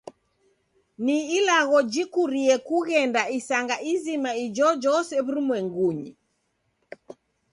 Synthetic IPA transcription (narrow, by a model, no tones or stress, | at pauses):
niːlaɣɔd͡ʒikuɾiɛkuɣɛndaisaŋɡaʔizimaid͡ʒɔd͡ʒɔsɛβuɾumwɛŋɡuɲi